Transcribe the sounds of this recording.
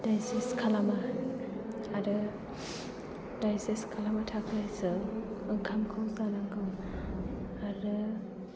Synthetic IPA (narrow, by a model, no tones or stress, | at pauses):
dajseskʰalama | aɾɯ | dajseskʰalamatʰakʰɯsɯɯŋkʰamkʰɯwsanaŋɡɯw | aɾɯ